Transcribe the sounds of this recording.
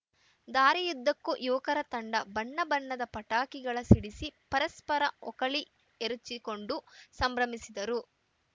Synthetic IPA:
d̪aːɾijud̪ːɐkːujɔːkɐɾɐt̪ɐɳɖɐbɐɳːɐbɐnːɐd̪ɐpɐʈaːkiɡɐɭɐsiɽisipɐɾɐspɐɾɐɔkɐɭi | eɾut͡ʃːiko̞ɳɖusɐmbɾɐmisid̪ɐɾu

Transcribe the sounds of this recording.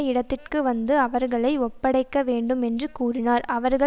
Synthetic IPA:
ɐɪɽɐt̪ːɪrkɯʋɐnd̪ɯɐʋɐɾɣɐɭɐɪɔpːɐɽɐɪkːɐʋeːɳɖɯmɛndrɯkuːrɪnaːɾɐʋɐɾɣɐ

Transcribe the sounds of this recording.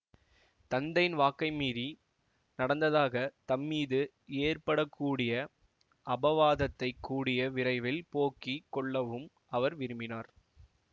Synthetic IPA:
t̪ɐnd̪ɐɪnʋaːkːɐɪmiːɾi | nɐɽɐnd̪ɐðaːɣɐt̪ɐmːiːðɯ | eːɾpɐɽɐkːuːɽɪjɐ | ʔɐbɐʋaːðɐt̪ːɐɪkːuːɽɪjɐʋɪɾɐɪʋɪlpoːkikːɔɭːɐʋɯm | ʔɐʋɐɾʋɪɾɯmbɪnaːɾ

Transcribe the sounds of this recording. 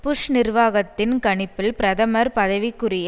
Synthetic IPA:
pʊʂnɪrʋaːɣɐt̪ːɪnkɐɳɪpːɪlpɪɾɐðɐmɐɾpɐðɐʋikːʊrɪj

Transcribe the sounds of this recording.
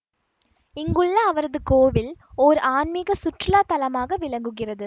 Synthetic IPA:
ɪŋɡɯɭːɐːʋɐɾɐðɯkoːʋɪlɔɾɯʔaːnmɪɣɐsʊʈrɪlaːt̪ɐlɐmaːɣɐʋɪlɐŋɡɯɣɪrɐðɯ

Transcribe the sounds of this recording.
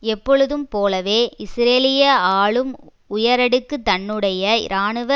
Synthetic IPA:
ɛpːɔɻɯðɯmpoːlɐʋeːɪsɾeːlɪjɐaːɭɯm | ʊjɐɾɐɽɯkːɯt̪ːɐɳːɯɽɐjɐɪ̰ɾaːɳɯʋɐ

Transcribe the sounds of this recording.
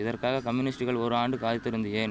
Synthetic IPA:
ɪðɐrkaːɣɐkɐmjʊnɪsʈɯɣɐɭɔɾɯaːɳɖɯkaːðɪt̪ːɪɾɯnd̪ɪjeːn

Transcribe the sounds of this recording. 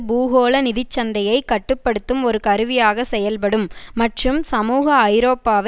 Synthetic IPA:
buːɣoːlɐnɪðɪt͡ʃːɐnd̪ɐjɐɪkɐʈːɯpːɐɽɯt̪ːɯmɔɾɯkɐɾɯʋɪjaːɣɐsɛjɐlpɐɽɯmːɐʈrɯmsɐmuːɣɐːɪɾoːpːaːʋɐ

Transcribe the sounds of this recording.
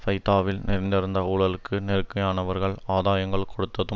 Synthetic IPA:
fɐɪt̪aːʋɪlnɪɾɪnd̪ɪɾɯnd̪ɐʊɭɐlɯkːɯnɛɾɯkːɐjaːnɐʋɐɾɣɐɭaːðaːjɐŋɡɐɭkɔɽɯt̪ːɐðɯ

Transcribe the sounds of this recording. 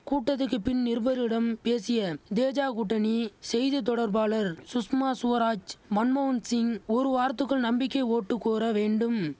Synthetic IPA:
kuːʈːɐt̪ːɯk̬ːɯpːɪnnɪɾbɐɾɪɽɐmpeːsɪjɐd̪eːd͡ʒaːkʊʈːɐnisɛjðɯt̪̬ɔɽɐɾbaːlɐɾsʊsmaːsʊʋɐɾaːd͡ʒmɐnmɐʋɐnsɪŋɔɾɯʋaːɾɐt̪ːɯkːɐɭnɐmbɪkːɐɪoːʈːɯkːoːɾɐʋeːɳɖɯm

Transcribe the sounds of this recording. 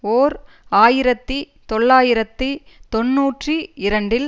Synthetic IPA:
oːɾ | aːjɪɾɐt̪ːɯ | t̪ɔɭːaːjɪɾɐt̪ːɯ | t̪ɔnːuːʈriɪɾɐɳɖɪl

